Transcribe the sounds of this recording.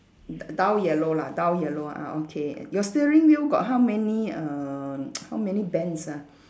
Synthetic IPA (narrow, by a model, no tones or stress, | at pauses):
ddawjɛloladawjɛloa̰okʰḛjɔstiɹĩŋwilɡɔ̰t̚ɦawmɛniə | hawmɛnibɛ̃nsa